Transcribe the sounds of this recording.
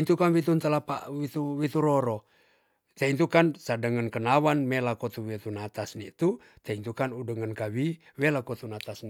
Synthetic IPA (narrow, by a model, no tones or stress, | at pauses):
nt̪ukanwit̪unt̪əlapa̰ʔwit̪uwit̪uɾɔɾɔ | t̪eint̪ukansadəŋənkənawanmelakɔt̪uwet̪unat̪asnit̪u | t̪ɛint̪ukanudəŋənkawi | welakot̪unat̪asn